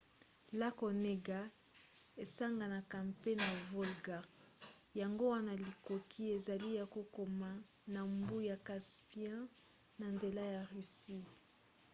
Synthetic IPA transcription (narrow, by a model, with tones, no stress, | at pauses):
la˦ko˨ne˦ɡa˦ | e˨sa˦ŋɡa˨na˨ka˨mpe˦na˨vo˦lɡa˨ | ja˨ŋɡo˦wa˦na˨li˨ko˨kʰi˦e˨za˨li˦ja˨ko˦ko˨ma˦ | na˨mbu˦ja˨ka˨spi˦ɛ̃˦ | na˨nze˨la˦ja˨ʁy˨si˦